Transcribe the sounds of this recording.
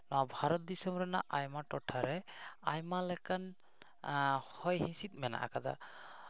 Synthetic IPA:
nɔwabʱaɾɔt̪̚d̪isɔmɾɛnaʔajmaʈɔʈʰaɾɛajmalɛkan | hɔjɦĩsit̪̚mɛna̰ʔa̰kad̪a̰

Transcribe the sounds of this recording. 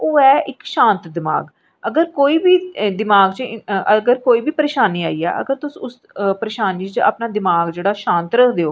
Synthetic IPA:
oːɛːɪkʃãːnt̪d̪ɪma̰ːɡ | əɡəɾkoːiːbiːd̪ɪmaːɡt͡ʃəəɡəɾkoːiːbiːpəɾeːʃaːniːaːiːɛ̰ːʔə̰ɡəɾt̪ʊsʊs | pəɾeːʃaːniːt͡ʃt͡ʃa̰ːpnaːd̪ɪmaːɡd͡ʒeːɽaːʃãːnt̪ɾəkʰd̪eːoː

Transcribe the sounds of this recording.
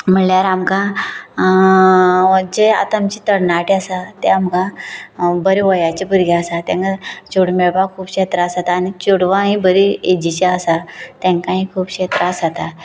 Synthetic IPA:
m̤əɳljaɾamkã | d͡ʑea̰t̪aːmt͡ɕit̪əɽnaʈiasat̪eamkã | bəɾeʋɔjat͡ɕipuɾɡaəsat̪ɛ̃ŋkat͡ɕoɽmeɭbakʰuːbɕet̪ɾasat̪aːñit͡ɕoɽʋãɦĩbəɾied͡ʑit͡ɕaəsat̪ɛ̃ŋkãɦĩkʰuːbɕet̪ɾasat̪a

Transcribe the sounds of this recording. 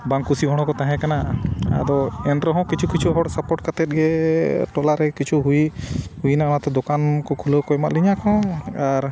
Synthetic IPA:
baŋkusiɦɔɽ̃ɔ̃kɔt̪ãɦɛ̃kanaa̰d̪ɔɛnɾɔɦɔ̃kit͡ʃʰukit͡ʃʰuɦɔɽsapɔʈ̚kat̪ɛt̪̚ɡɛʈɔlaɾɛkit͡ʃʰuɦujhujnanat̪ɛd̪ɔkankɔkʰuləkɔɛmaʔ̪liɲakʰɔ̃aɾ

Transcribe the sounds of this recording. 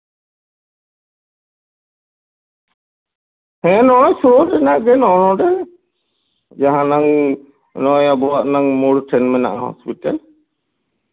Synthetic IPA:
hɛ̃nɔɽɔ̃t͡ʃʰuɽɔɖɛnaʔɡɛnɔnɔ̃ɖɛ | d͡ʒaɦãnaŋ | nɔjabɔwaʔnaŋmuɽʈʰɛnmɛna̰ʔhɔ̰spiʈal

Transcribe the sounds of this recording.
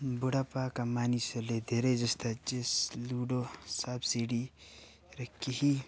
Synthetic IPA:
buɽapaːkamaːnisɐled̪eɾed͡ʒɐst̪ad͡ʒesluːɖosabsiɖi | ɾɐkːihi

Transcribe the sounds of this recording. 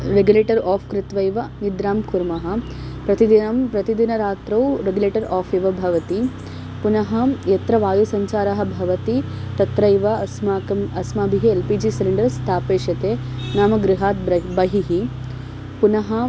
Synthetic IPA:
ɾeɡjuleːʈɐɾaːpʰkɾɪt̪ʋɐjʋɐnid̪ɾaːmkuɾmɐɦɐ̆ | pɾɐt̪id̪inɐmpɾɐt̪id̪inɐɾaːt̪ɾɐwɾeɡuleːʈɐɾaːpʰiʋɐbʱɐʋɐt̪i | punɐɦɐjɐt̪ɾɐʋaːjusɐɲt͡ʃaːɾɐɦɐ̆bʱɐʋɐt̪i | t̪ɐt̪ɾɐjʋɐsmakɐmɐsmaːbʱiɦielpiːd͡ʒisiliɳɖɐɾst̪ʰaːpeːʃjɐt̪eː | naːmɐɡɾɪɦaːt̪̚bɐɦiɦi | punɐɦɐ

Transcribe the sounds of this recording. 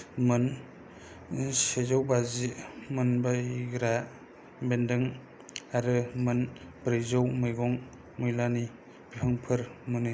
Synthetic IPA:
mɯn | sezawbazimɯnbaɡɾa | bendɯŋ | aɾɯmɯnbɾejzawmɯjɡɔŋ | mujlani | b̥ipʰɯŋpʰɯɾmɯnɯ

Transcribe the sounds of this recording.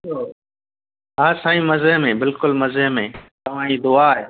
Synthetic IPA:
oː | ɦaːsaːĩːməzəɦmẽːbɪlkʊlməzəɦmẽːt̪ɐʋ̤ãːĩːd̪ʊaːɦeː

